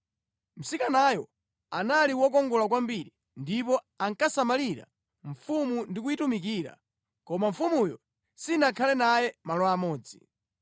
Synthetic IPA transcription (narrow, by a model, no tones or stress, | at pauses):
m̩sikanajɔ | analiwɔk̬ɔŋɡɔlakwambiɾi | ndip̬ɔ | aŋkasamaliɾa̰ | ɱ̩fumundik̬uitumik̬iːɾa̰ | kɔmaɱ̩fumujɔ | sinakʰalɛnajɛmalɔamɔːd͡zi